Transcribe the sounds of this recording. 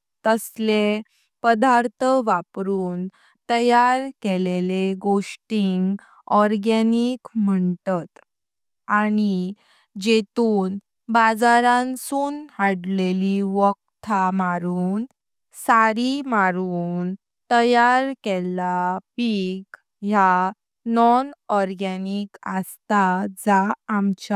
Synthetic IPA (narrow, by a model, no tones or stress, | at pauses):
t̪əsle | pəd̪aɾt̪ʰəʋapɾuːn | t̪əjaɾkeleleɡoʂʈiŋɡ | ɔɾɡɛnikm̤əɳt̪ət̪ | ani | d͡ʑet̪uːn | bad͡zaɾãnsuːnhaɽleliʋɔkt̪ʰamaɾuːn | saɾimaɾuːn | t̪əjaɾkɛlapiɡ | ɦja | nɔnɔɾɡɛnikəst̪ad͡zaːmt͡ɕ